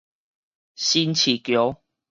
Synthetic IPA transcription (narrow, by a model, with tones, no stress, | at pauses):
ɕi˦nt͡ɕʰi˨˩kjo˨˦